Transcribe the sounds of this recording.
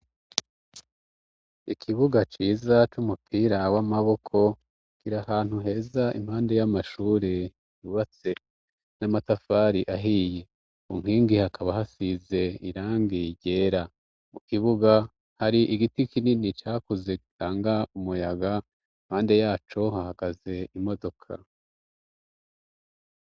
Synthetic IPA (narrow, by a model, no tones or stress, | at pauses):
ikʰiβuɡat͡ʃiːzat͡ʃumupʰiːɾawamaβo̞kʰo̞ | kiɾahaːn̥huɦe̞ːzaḭmhaːnde̞jamaʃuːɾe | juβat͡se̞ | namatafaːɾiʔaɦije | ṵŋ̥iːŋɡihakʰaβahasize̞ḭɾaːŋɡiɟe̞ːɾa | mukiβuɡa | haɾiʔiɡitikininit͡ʃaːkuze̞kitaːŋɡaumujaɡa | im̥haːnde̞jaːt͡ʃo̞hahaɡ̥aze̞imo̞do̞kʰa̰